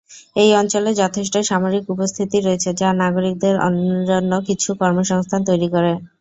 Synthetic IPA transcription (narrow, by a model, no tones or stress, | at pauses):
ejɔnt͡ɕoled͡ʑɔt̪ʰeʃ̬ʈajʃamoɾikupost̪ʰit̪iɾoet͡ɕʰed͡ʑanaɡoɾik̚d̪eɾɔ̰nɾonːokit͡ɕʰukɔɾmoʃɔŋst̪ʰant̪ojɾikoɾe